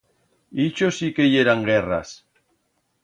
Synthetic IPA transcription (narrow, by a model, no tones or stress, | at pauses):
it͡ʃosikejeɾaŋɡera̰s